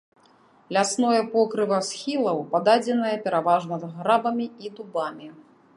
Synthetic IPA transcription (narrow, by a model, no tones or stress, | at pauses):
lʲasnɔjɛpɔkɾɨvɐsxʲilˠɐwpad̪ad͡zʲɛnɐjɐpʲɛɾavaʐnɐd̪ɣɾabɐmʲiid̪ubamʲi